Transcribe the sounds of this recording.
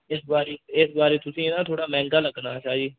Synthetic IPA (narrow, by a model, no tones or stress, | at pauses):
ɪsbaːɾeːɪsbaːɾeːt̪ʊsĩːɪnãːt̪ʰoːɽaːmɛ̃ːŋɡaːləɡnãːt͡ʃaːd͡ʒiː